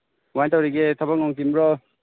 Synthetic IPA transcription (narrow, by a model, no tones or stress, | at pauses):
wajtawɾiɡet̪ʰabaŋnɔŋtimɾɔ